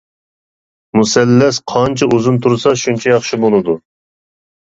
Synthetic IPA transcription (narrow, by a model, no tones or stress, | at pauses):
musɛlːɛsqʰɑnt͡ʃʰiʔuzunt̪ʰuɾsɑʃunt͡ʃʰɛjɑχʃibolˠɨd̪u